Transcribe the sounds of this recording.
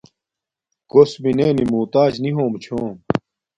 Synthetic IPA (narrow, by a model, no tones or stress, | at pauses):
kosbineːnimuːt̪aːd͡ʑniɦoːmt͡ɕʰoːm